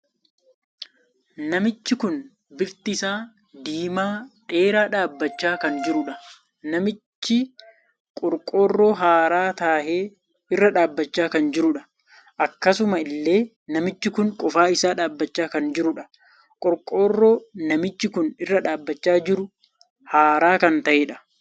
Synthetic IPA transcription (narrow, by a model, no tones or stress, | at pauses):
nɐmɪt͡ʃːɪkʊn | bɪɾt̪ɪsaː | d̪iːmaːᶑe̞ːɾaːᶑaːbːɐt͡ʃːaːkɐnd͡ʒɪɾʊᶑɐ | nɐmɪt͡ʃːɪ | kʼɔɾkʼo̞ːrːo̞ːɦaːɾaːt̪aːheː | ɪrːɐᶑaːbːɐt͡ʃːaːkɐnd͡ʒɪɾʊᶑɐ | ʔɐkːɐsʊmɐɪlːe̞ː | nɐmɪt͡ʃːɪkʊŋkʼɔfaːɪsaːᶑaːbːɐt͡ʃːaːkɐnd͡ʒɪɾʊᶑɐ̥ | kʼɔɾkʼo̞ːrːo̞ːnɐmɪt͡ʃːɪkʊnɪrːɐᶑaːbːɐt͡ʃːaːd͡ʒɪɾʊ | haːɾaːkɐnt̪ɐʔeːᶑɐ̥